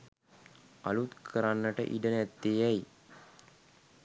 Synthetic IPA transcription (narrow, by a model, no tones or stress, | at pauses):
a̰lut̪kʰəɾanːəʈə̰ʔiɖənæt̪ːeːɛj